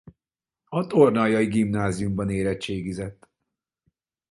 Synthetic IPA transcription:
ɒt̪ornɒːjɒjiɡimnaːzijumbɒneːɾɛt͡ʃeːɡizɛt̪ː

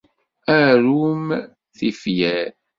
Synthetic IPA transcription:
æɾum | θifjæɾ

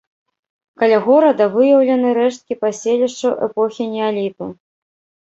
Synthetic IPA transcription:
kɐlʲaɣɔɾɐd̪ɐvɨjɐwlʲɐnɨɾɛʂt̪̚kʲipasʲelʲiʂt͡ʂɐʔɛpɔxʲinʲɛalʲit̪u

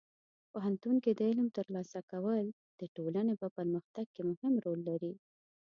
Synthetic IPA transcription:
poɦant̪unkid̪əɪlmt̪əɾlɑsakawəl | d̪̥əʈolanepapəɾməxt̪aɡ̚kemʊhɪmɾolːaɾi

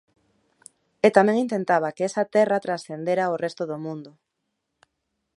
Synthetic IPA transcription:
et̪amẽŋint̪ent̪aβ̞akeesat̪ɛrat̪ɾasθend̪eɾaorest̪oðomũnd̪ʊ

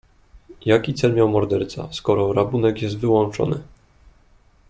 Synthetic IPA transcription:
jakʲit̪sɛlmʲjawmɔɾd̪ɛɾt̪sa̰skɔɾɔɾabunɛkjɛst̪vɘwɔnt͡ʂɔ̰nɘ

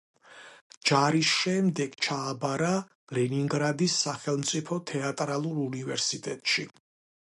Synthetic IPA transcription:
d͡ʒaɾisʃɛmd̪ɛɡ̥t͡ʃʰaːbaɾa | lɛniŋɡɾad̪isːaχɛlˠmt̪sʼipʰɔt̪ʰɛat̪ʼɾalˠuɾunivɛɾsit̪ʼɛt̪ʼʃi

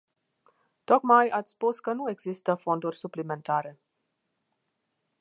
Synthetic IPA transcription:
t̪o̞kmajat̪sʲspuskənue̞ɡzist̪əfo̞nd̪urʲsuplime̞nt̪aɾe̞

